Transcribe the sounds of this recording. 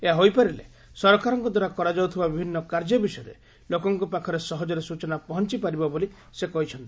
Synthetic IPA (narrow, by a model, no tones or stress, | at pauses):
eɦaɦojpaɾilḛ | sɔɾɔkaɾɔŋkɔd̪waɾakɔɾad͡ʒaut̪ʰibabibʱinːɔkaɾd͡ʒɔbisɔjɔɾḛ | lokɔŋkɔpakʰɔɾesɔɦɔd͡ʒɔɾesut͡ʃɔnapɔɦɔnt͡ʃipaɾibɔboli | sekɔɦit͡ʃʰɔnt̪i̥